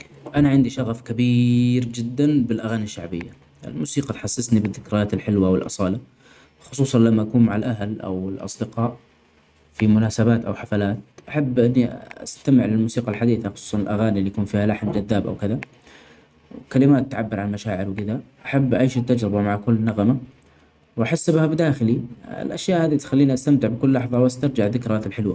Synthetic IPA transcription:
ʔanaʕɪnd̪iʃaɣfkabiːɾd͡ʒɪd̪ːanbɪlʔaɣaːniaʃːaʕbɪ̰jːa | ʔɪ̰lmuːsiːqɑt̪ħasːɪsnibɪðːɪkɾɪjaːt̪ɪlħɪlwaʔwɪlʔɑ̰sˤɑːla | xʊ̥sˤuːsˤɑnlamːaʔakuːnmaʕalʔaɦlʔa̰wɪlʔɑ̰sˤd̪ɪqɑːʔ | fimʊnaːsabaːt̪ʔa̰wħafalaːt̪ʔaħabːʔɪnːia̰st̪amɪʕlɪlmuːsiːqɑlħad̪iːθaxʊ̥sˤuːsˤɑnɪlʔaɣaːniʔlːijakuːnfiːhalaħmd͡ʒaðːaːbʔa̰wkɪða | wkalɪmaːt̪ːʕabːɪɾʕanmaʃaːʕɪɾwɪkɪd̪aʔaħabːʔaʔeːʃt̪ːad͡ʒɾɪbamaʕkʊlːnaɣama | wʔaħasːɪbhabɪd̪aːxɪliɪ̰lʔa̰ʃjaːʔhaːd̪it̪xalːiːniʔast̪amt̪ɪʕbɪkʊlːɑħðˤɑwast̪ɑɾˤd͡ʒaʕðɪkɾaθɪlħɪlwa

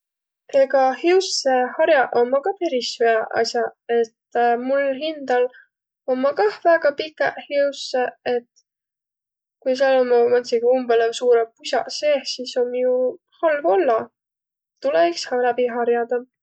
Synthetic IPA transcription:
eɡɑhiwsehɑɾjɑʔomːɑkɑpe̞ɾisveɑʔɑ̰sjɑe̞t̪ːmulɦind̪̥ɑl | omːɑkɑhvæːɡ̥ɑpikːˑehiuseet̪ | kujs̬ɑlonmɑmɑnsiɡ̥umbelesuːɾepusʲɑ̰seːhsiso̞mju | hɑlvo̞lːɑ | t̪ːulekshɑlɑbiɦɑɾjɑd̪ɑ

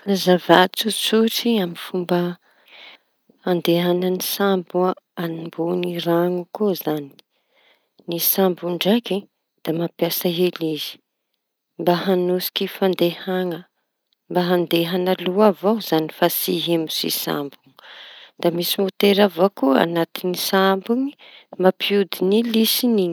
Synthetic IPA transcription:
zavat͡sut͡suʈ͡ʂiamifumbə | and̪eɦanənisambuaanimboniɾaŋukuzani̥ | nisambuɳɖ͡ʐaki | d̪̥amapjasəɦelizi̥ | mbaɦanusi̥kifand̪ehaŋə | mbaɦand̪eɦanaluavawz̥anifasiɦemusḭsa̰mbuŋd̪̥amisimot̪eɾavakua̰nat̪inisambuŋi̥mapʰiud̪inilisiniɲ

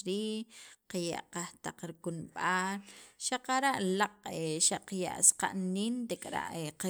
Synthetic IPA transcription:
ɾiːqaja̰ʔqaht̪aqɾikunɓaːlʃaqaɾaʔlaqʼeʃaʔqaja̰ʔsqa̰ʔniːnt̪ekʼɾa̰ʔeqa

